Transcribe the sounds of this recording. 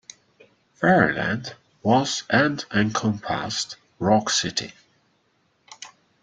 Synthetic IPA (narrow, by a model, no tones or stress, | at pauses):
fɛɹə̰læ̰̃nd | wʌz̥ɨ̃ndɨ̃nkʰə̃mpʰæ̰st | ɹɔksɪtḭ